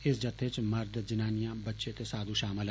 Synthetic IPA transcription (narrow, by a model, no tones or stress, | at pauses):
ɪsd͡ʒət̪ʰːet͡ʃməɾd̪d͡ʒɪnaːnijãːbətːʃet̪esaːd̪ʱũʃaːmɪl